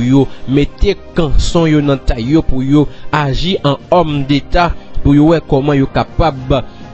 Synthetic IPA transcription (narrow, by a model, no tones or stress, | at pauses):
jomet̪ekãsɔ̃jonɐ̃t̪ajːopujoaʒiʔãɔmd̪et̪apujowɛkɔmãjokapab